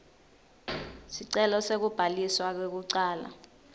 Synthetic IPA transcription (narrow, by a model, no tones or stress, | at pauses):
siǀɛlɔsek̬ub̥ʱaliswak̬wek̬uǀaːla̰